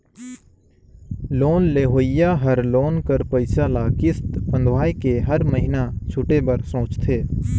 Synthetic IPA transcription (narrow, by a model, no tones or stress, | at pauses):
loːnleːɦoːɪjaːɦəɾloːnkəɾpəɪsalaːkɪst̪pə̃nd̪ʱʋaːikeɦəɾməɦɪnat͡ʃʰʊʈebəɾsõːt͡ʃt̪ʰeː